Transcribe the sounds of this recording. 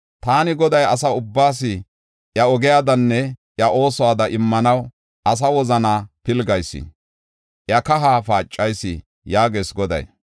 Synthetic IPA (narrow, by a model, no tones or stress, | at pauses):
t̪aːnɪɡɔd̪ɐjɐs̬ɐʊbːaːs̬ɪ | ʔjɐɔɡɪjaːd̪ɐnːɛʔjɐʔo̞ːsɔwaːd̪ɐʔɪmːɐnɐw | ʔɐs̬ɐwɔzɐnaːpɪlɡɐjsːɪ̰ | ʔjɐkɐɦaːfaːt͡ʃʼːɐjsːɪ̰ | jaːɡeːsɡɔd̪ɐ̰j